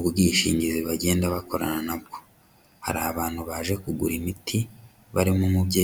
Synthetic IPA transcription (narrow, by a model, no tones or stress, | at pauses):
uubɡiʃḭːɲɟiziβaɟe̞ːndaβako̞ɾa̰nanabɡo | ha̰ɾaːβaːn̥huβaʒe̞kuɡuɾimitʰi | βaɾimumubɟeː